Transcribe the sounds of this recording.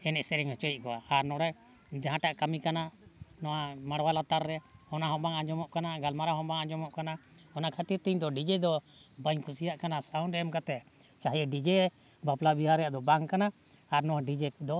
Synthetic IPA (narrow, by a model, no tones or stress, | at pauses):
ɛnɛʔsɛɾɛŋhɔt͡ʃɔjiʔ̚kɔaːɾnɔɾɛ | d͡ʒaɦãʈaʔkamikanaʔnɔwamaɽwalat̪aɾːɛɔnaɦɔ̃baŋad͡ʒɔmɔʔkanaɡalmaɾaɦɔ̃baŋad͡ʒɔmɔʔkana | ɔnakʰat̪iɾt̪iɲd̪ɔɖid͡ʒɛd̪ɔ | baɲkʰusijaʔkanasawnɾɛɔmkat̪ɛ | t͡ʃaɦiɛɖid͡ʒɛ | baplabiɦaɾːɛjaʔd̪ɔbaŋkanaː | ɾnɔwaɖid͡ʒɛd̪ɔ